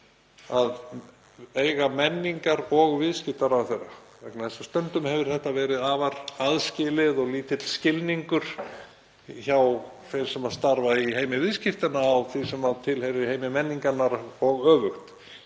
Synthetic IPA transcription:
að | eːjɣamɛnːiŋkaɾɔɣvɪðscɪft̪aɾawθejrːavɛknaðɛsḁst̪ʏnt̪ʏmhɛvɪɾ̥θɛht̪avɛːɾɪðaːvaɾaðscɪlɪðɔɣliːt̪ɪt̪l̥scɪlniŋkʏɾ̥ | çaw | fej̥sɛmaðst̪aɾvaiɦeːjmɪvɪðscɪft̪anaːwθisɛmaðt̪ʰɪlhejɾɪheːjmɪmɛnːiŋkanːaɾɔɣœːvʏxt̪

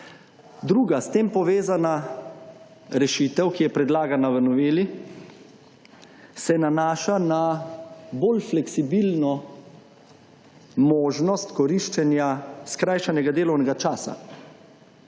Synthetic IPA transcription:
d̪ɾuːɡast̪eːmpɔʋeːzana | ɾɛʃiːt̪ɛwkijɛpɾɛd̪laːɡanaʋənɔʋeːli | sɛnanaːʃana | boːlflɛksibilnɔ | moːʒnɔst̪kɔɾiʃt͡ʃɛnjaskɾajʃanɛɡad̪eːlɔwnɛɡat͡ʃaːsa̰

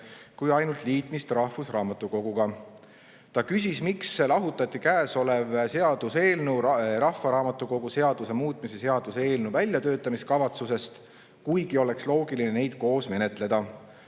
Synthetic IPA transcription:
kujɑjnult̪liːt̪ˑmist̪rɑhfusrɑːmɑt̪ːˑuko̞ɡ̥uɡ̥ɑ | t̪ɑkysʲismikselɑɦut̪ːˑɑt̪ʲːˑikæːso̞levseɑd̪̥use̞ːlnuɾɑhːɑɾɑːmɑt̪ˑːuko̞ɡ̥use̞ɑd̪̥use̞muːt̪ːˑmise̞seɑd̪̥use̞ːlnuvælʲjɑt̪ø̞ːt̪ːˑɑmiskɑvɑt̪suse̞st̪ | kujɡ̥io̞le̞kslo̞ːɡilinene̞jd̪̥ko̞ːsme̞ne̞t̪ˑle̞d̪̥ɑ

